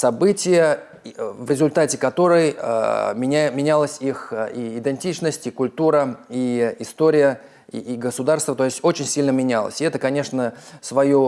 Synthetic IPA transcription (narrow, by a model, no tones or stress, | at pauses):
sɐbɨtʲɪjə | vɾʲɪzʊlʲt̪atʲɪkɐt̪o̞ɾɨjə̰mʲɪmʲɪnʲalˠəsʲixiɪd̪ɪnʲtʲit͡ɕnəsʲtʲikʊlʲt̪uɾəiɪst̪o̞ɾʲɪjə | ḭːɡəsʊd̪arst̪vət̪o̞ɪsʲtʲo̞t͡ɕɪnʲsʲilʲnəmʲɪnʲalˠə̰sʲɪɛt̪əkɐnʲe̞ʂnəsvɐjo